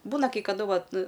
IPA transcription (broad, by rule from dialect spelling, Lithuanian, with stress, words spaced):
ˈbuːnɐ kɐɪ kɐˈdʊ ˈʋɐt